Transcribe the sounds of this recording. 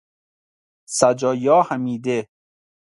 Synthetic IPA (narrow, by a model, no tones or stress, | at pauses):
sæd͡ʒɒːjɒːhæmiːd̪e